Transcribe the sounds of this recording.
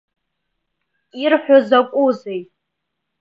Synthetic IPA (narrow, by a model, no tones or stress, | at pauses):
irħᶣʷozakʷʼuzejʼ